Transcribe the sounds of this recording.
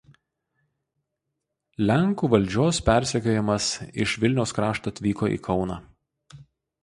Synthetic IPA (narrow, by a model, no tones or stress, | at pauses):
lʲæŋkuːʋɐlʲˑd͡ʒʲoːspʲæˑɾʲsʲɛkʲoːjɛmɐsɪʃʋʲɪlʲnʲɛʊskɾɑːʃt̪ɐɐt̪ʲʋʲiːkoːḭːkʰɒʊnɑ̰ː